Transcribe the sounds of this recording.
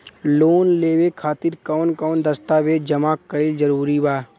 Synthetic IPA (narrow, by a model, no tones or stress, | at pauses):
loːnleːwekʰaːt̪ɪɾkɔːnkɔːnd̪əst̪aʋed͡ʒəmaːkːəild͡ʒəɾuːɾibaː